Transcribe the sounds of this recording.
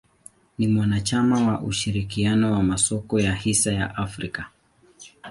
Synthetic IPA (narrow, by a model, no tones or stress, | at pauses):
nimwanat͡ʃamawaʔuʃiɾikianɔwamasɔkɔjahisaja̰ʔafɾika